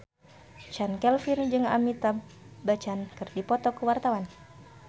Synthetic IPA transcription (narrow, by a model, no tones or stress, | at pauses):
t͡ʃankɛlfind͡ʒɨŋa̰mit̪abat͡ʃankɨrdipɔt̪ɔkəwart̪awan